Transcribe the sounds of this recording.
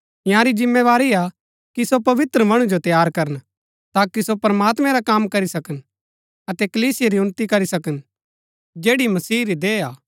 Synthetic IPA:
ɪjãɾid͡ʒɪmːeʋaːɾia | kisopɐʋɪt̪ɾəmɐɽ̃ud͡ʒot̪jaːɾkɐɾən | t̪aːkisopɐɾəmaːt̪mɛ̃ɾakaːmkɐɾisɐkən | ɐt̪ɛkɐliːsɪjaɾiʊnt̪ikɐɾisɐkən | d͡ʒeːɽimɐsiːɾid̪eːaː

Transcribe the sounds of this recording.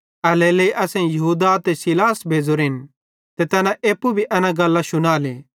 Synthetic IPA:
ɐleleiʔɐsɛ̃jɐɦuːd̪at̪esilaːsbʱeːd͡zoɾɦɪn | t̪et̪ɐnãʔeːpːubʱiʔɐnãɡɐlːaʃʊnaːle

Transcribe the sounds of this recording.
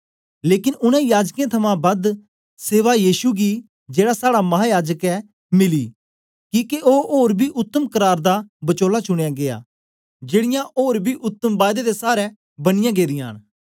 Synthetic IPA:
leːkɪnʊñɛ̃jaːd͡ʒkẽt̪ʰɐmãbɐd̪ | seːʋajiːsuɡi | d͡ʒeːɽasaːɽamɐɦaːjaːd͡ʒəkɛ | mɪliː | kĩːkeoːoːɾbʱiʔʊt̪ːəmkəɾaːɾd̪abɐt͡ʃoːlat͡ʃʊɽ̃ejaɡea̰ː | d͡ʒeːɽɪjãʔoːɾbʱiʔʊt̪ːəmbaːjd̪ed̪esaːɾɛ | bɐñɪjãɡeːd̪ɪjãːn

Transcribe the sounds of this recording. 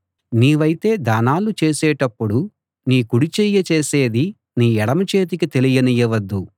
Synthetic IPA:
niːʋɐjit̪e̞ːd̪aːnaːlut͡ʃeːsɛːʈɐpːuɽu | niːkuɽit͡ʃɛjːɐt͡ʃeːseːd̪i | niːɛɽɐmɐt͡ʃe̞ːt̪̬ikit̪e̞lijɐnijɐʋɐd̪ːu

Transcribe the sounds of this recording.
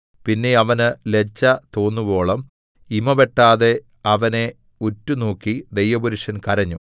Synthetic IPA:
pinːeɐʋɐnɨle̞t͡ɕːɐt̪o̞ːnːubo̞ːɭɐm | imɐʋe̞ʈːaːðe̞ | ɐʋɐne̞ | utːunoːkːid̪ejʋɐbuɾuʂɐnkɐɾɐɲːu

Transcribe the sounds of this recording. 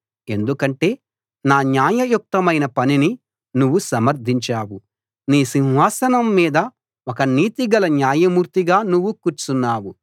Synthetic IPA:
e̞nd̪ukɐɳʈe̞ː | naːnjaːjɐjuk̚t̪ɐmɐjnɐpɐnini | nuʋːusɐmɐɾd̪ʱiɲt͡ʃaːwu | niːsinɦaːsɐnɐmːiːd̪ɐ | okɐniːt̪iɡɐlɐnjaːjɐmuːɾt̪iɡaːnuʋːukuːɾt͡ʃunːaːwu

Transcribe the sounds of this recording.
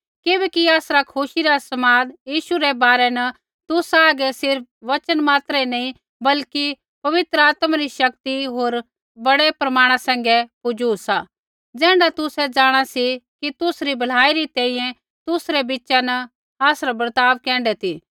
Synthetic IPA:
kɪbɛːkiaːsɾakʰʊʃiɾasɐmaːd̪jiːʃuɾɛbaːɾɛnɐ | t̪ʊsaːɡɛsɪɾp̚ʋɐt͡ʃənmaːt̪ɾɛinɐĩ | bɐlki | pɐʋɪt̪ɾəaːt̪maɾiʃɐkt̪iɦoːɾ | bɐɽɛpɾɐmaːɽ̃asɛ̃ːŋ̆ɡɛkʊd͡ʒuːsa | d͡zɛ̃ːɳɖat̪ʊsɛd͡zaːɽ̃asikit̪ʊsɾibʱɐl̤aːiɾit̪ɛ̃ːĩjɛ̃ | t̪ʊsɾɛbɪtːʃanɐ | aːsɾabɐɾt̪aːʋkɛ̃ːɳɖɛt̪ʰiː

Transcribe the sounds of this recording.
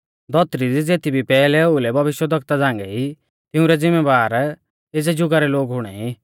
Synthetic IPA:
d̪ɔt̪ɾidid͡zeːt̪ʰibʱipɛːlɛoulɛbʱɐʋɪʃjəd̪ʱɐk̚t̪ad͡zãːŋɡɛi | t̪ɪʊ̃ɾɛd͡zɪmːebaːɾ | ed͡zɛd͡ʒʊɡaɾɛloːɡɦʊɽ̃ɛi

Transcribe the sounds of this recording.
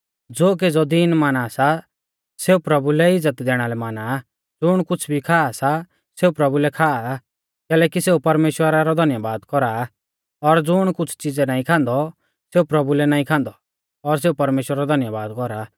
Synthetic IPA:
d͡zoːk̬ed͡zɔd̪inmaːnasa | seːupɾɐbulɛɪd͡zət̪d̪ɛːɽ̃alɛmaːna | d͡zʊɽ̃kʊt͡sʰbʱikʰaːasa | seːupɾɐbulɛkʰaːa | kɛːlɛːkiseːupɐɾmeːʃwəɾaɾɔd̪ʱɐnjabaːd̪kɔɾa | ɔɾd͡zʊɽ̃kʊt͡sʰt͡sɪd͡zɛnaːĩkʰãːnd̪ɔ | seːupɾɐbulɛnaːĩkʰãːnd̪ɔ | ɔɾs̬eːupɐɾmeːʃwəɾaɾɔd̪ʱɐnjabaːd̪kɔɾa

